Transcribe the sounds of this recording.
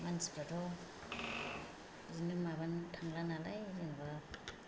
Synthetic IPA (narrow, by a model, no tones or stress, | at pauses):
mansi̥pɾatʰɔ | zinimabantʰaŋlanalajzenba